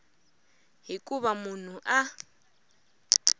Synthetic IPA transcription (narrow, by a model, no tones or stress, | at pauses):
ɦikʼuβamun̤uʔa